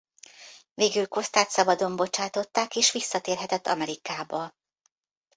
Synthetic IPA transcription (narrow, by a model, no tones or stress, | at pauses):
veːɡylko̞st̪aːt̪sɒbɒd̪o̞mbo̞t͡ʃaːt̪o̞t̪ːaːkeːʃʋisːɒt̪eːrɦɛt̪ɛt̪ːɒmɛɾikaːbɒ